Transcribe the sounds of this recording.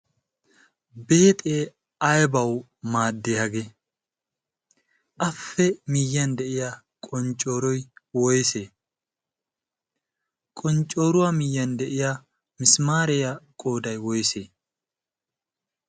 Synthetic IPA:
be̞ːt̪ʼeː | ɐjbɐw | maːd̪ːɪhɐɡe | ʔɐfːɛmɪjːɐnd̪ɛʔɪja | kʼɔnt͡ʃʼːo̞ːɾɔjwɔjseː | kʼɔnt͡ʃʼːo̞ːɾʊwamɪjːɐnd̪ɛʔɪja | mɪsmaːɾɛjɐkʼo̞ːd̪ɐjwɔjseː

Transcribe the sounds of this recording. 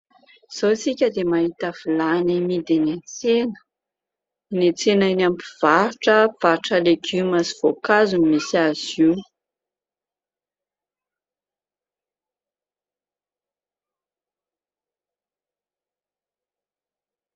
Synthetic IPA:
z̥owt͡sikʲəd̪emaɦit̪afilanimid̪enet͡senə̥ | net͡senainampiv̥aɾuʈ͡ʂəfaɾʈ͡ʂəleɡymasi̥v̥okazunmisiaz̥iw

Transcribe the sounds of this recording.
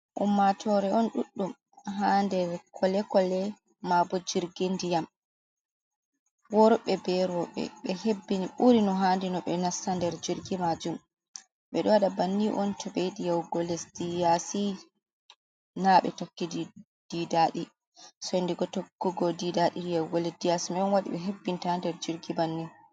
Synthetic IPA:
ʔṵmːatʰɔɾɛɔnɗuɗːum | ɦandɛɾkʰɔlɛkɔlɛ | mabɔd͡ʒiɾɡindijam | wɔɾɔɓɛbɛɾɔɓɛ̰ɓɛhebːiniɓuɾinɔɦandinɔɓɛnasːandɛɾd͡ʒiɾɡimad͡ʒum | ɓɛɗɔwaɗabanːiʔɔ̰ntɔɓejɗijawɡɔlɛsd̥ijasi | naɓɛ̰tokːid | d̥idaɗi | sɔndiɡɔtokːuɡɔdidaɗijawɡɔlɛsdijasimɛɔnwaɗḭɓɛɦebːintandɛɾd͡ʒiɾɡibanːi

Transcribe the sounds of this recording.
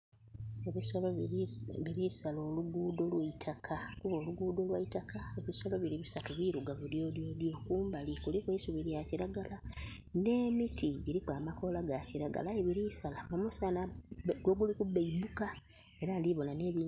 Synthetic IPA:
eβisoloβiɾisalo̞ːluɡudo̞lwaitʰakʰakuβo̞ːluɡuːdo̞lwaitakae̞βisolo̞βiɾiβisatuβiːɾuɡavudjo̞ːdjo̞djo̞ːkuːmbalikulikweisuβiɾjaciɾaɡala | ne̞ːmitiɟiɾikwaːmako̞laɡaciɾaɡa̰laeβiɾisalaomusanaɡoɡulikubeibuka | e̞ɾaliβo̞nane̞ːβiː

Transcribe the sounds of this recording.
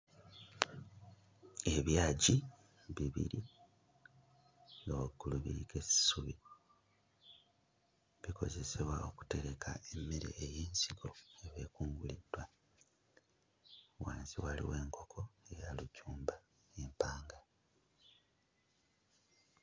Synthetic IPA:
e̞βjaːɟi | βiβḭɾi | ŋowaɡːuluβḭɾike̞si̥suβi | βiko̞̰ze̞se̞βwao̞ku̥te̞ɾe̞kʰa̰emːe̞ɾḛːjeːnsiɡo̞eβe̞ːkuːŋɡulidwa | wa̰ːnziwalḭwe̞ːŋko̞kʰo̞e̞jalucuːmba | jempaːŋɡa

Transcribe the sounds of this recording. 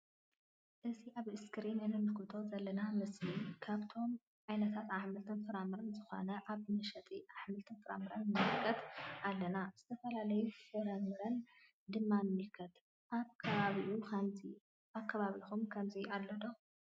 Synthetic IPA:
ʔɨziʔaβɨskʰɾimɐnɨmɨlkʰɨt̪ʰo̞zɐlːɐnamɨslikʰaβt̪ʰo̞m | ʕajnɐt̪ʰat̪ʕaħmɨlt̪ʰɨnfɨɾamɨɾɐnzɨxo̰nɐʔaβmɨʃɐt̪ʼiʔaħmɨlt̪ʰɨnfɨɾa̰mɨɾɐnmɨmmɨlkʰːɐt̪ʔalːɐnaz̥ɨt̪ʰɐfɐlalɐjufɨɾamɨɾɐn | d̪ɨmːamɨmɨlkʰɐt̪ | ʔaβkʰɐβaβiʔukʰɐmzi | ʔaβkʰɐβaβixumkʰɐmziʔalːod̪o

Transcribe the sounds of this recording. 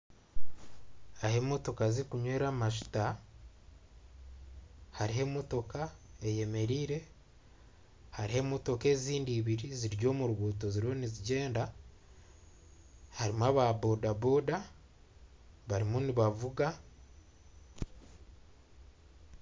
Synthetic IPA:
ahe̞mo̞to̞kaziɾikuɲwe̞ːɾamaʃu̥ta | haɾiɦe̞moto̞kae̞je̞me̞ɾiːɾe̞ | haɾihe̞moto̞ke̞ːziːndiːβiɾiziɾɟo̞ːmuɾuβuːto̞ziɾo̞niziɟe̞ːnda | haɾimwaːβabo̞dabo̞da | βaɾimuniβavuɡa

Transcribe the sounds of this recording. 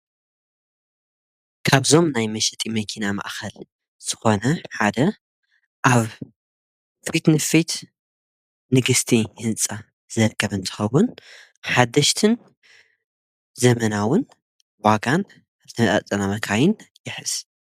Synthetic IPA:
kʰaβzo̞mnajmɐʃɛt̪ʼimɐkʰinama̰ʔxɐl | z̥ɨxo̞nɐħad̪ɐ | ʔaβ | fit̪nɨfit̪ | nɨɡɨst̪ʰihɨnt͡sʼa | z̥ɐɾkʰɐβɨnt̪ʰɨ̥xɐwʊn | ħad̪ːɐʃt̪ʰɨn | zɐmɐnawʊn | waɡan | t̪ʰɐmɐt̪ʼa̰t͡sʼɐnamɐɡʰajɪnjɪħɨz̥

